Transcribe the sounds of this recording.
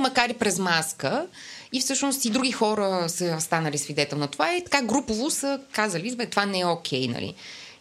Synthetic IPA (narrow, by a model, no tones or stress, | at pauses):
mɐkaɾipɾɛzmaskə | ifsɤʃnost̪id̪ɾuɡʲixɔɾəsəst̪anəlisvid̪ɛt̪ɛlˠnɐt̪ovaɛt̪ɐ̥kaɡɾupovʊsəkazəlizvɛt̪ovanɛɛokʲʰɛjnɐ̰lḭ